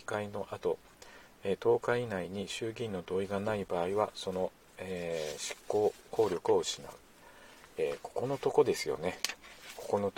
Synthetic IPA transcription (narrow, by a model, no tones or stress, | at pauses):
i̥kaino̞ʔat̪o̞ | et̪o̞ːkainaiɲ̟iɕɨːɡʲĩnːo̞d̪o̞ːiɡanaibaːiβaso̞no̞ | eɕi̥kːo̞ːko̞ːɾʲo̞kɯ̟o̞ɯɕina̰ɯ̟ | eːkʰo̞̥ko̞no̞t̪o̞ko̞d̪e̞sɨjo̞̰ne̞ko̞̥ko̞no̞